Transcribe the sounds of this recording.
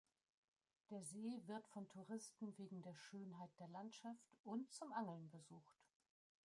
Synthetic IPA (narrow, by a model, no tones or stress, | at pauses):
d̥eːɐzeːvɪɐtfɔntʰuʁɪstn̩veːɡŋ̩deːɐʃøːnɦaɪt̚d̥eːɐlantʃaftʊntt͡sʊmʔaŋl̩nbəzuːxt